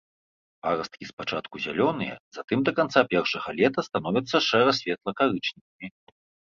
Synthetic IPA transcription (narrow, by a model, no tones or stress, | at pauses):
paɾɐst̪kʲispat͡ʂa̰t̪kuzʲa̰lʲɔnɨjɛ̰zat̪ɨmd̪ɐkant̪sapʲɛrʂɐɣɐlʲɛt̪ɐst̪an̪ɔvʲit̪sːɐʂɛɾɐsʲvʲɛt̪lˠɐkaɾɨt͡ʂnʲikɐmʲi